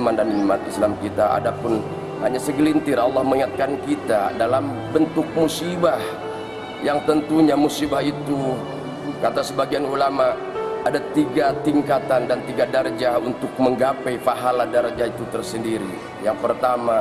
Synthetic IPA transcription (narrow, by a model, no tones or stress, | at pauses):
mandanimat̪islamkit̪aʔa̰dapʊn | haɲasəɡəlint̪ɪralːɑhməŋiŋat̪̚kankit̪adalam | bənt̪ʊk̚musibah | jaŋt̪ənt̪uɲamusibaɦit̪u | kat̪asəbaɡianulama | ʔadat̪iɡat̪iŋkat̪andant̪iɡadard͡ʒahunt̪ʊk̚məŋɡapɛjfaɦaladard͡ʒahit̪ut̪ərsəndiɾi | jaŋpərt̪ama